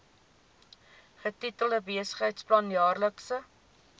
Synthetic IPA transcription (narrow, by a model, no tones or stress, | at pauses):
χətitəlˠdəbiəsə̥χɦəjtsplɐnjɑːrləksə